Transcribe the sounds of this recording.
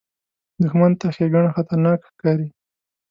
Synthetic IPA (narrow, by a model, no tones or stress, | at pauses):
d̪ʊxmant̪axeɡaɳaxat̪aɾnɑkxkɑɾi